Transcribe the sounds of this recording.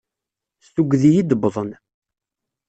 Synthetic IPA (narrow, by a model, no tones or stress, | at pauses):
stuɡðijid̪əbðˤən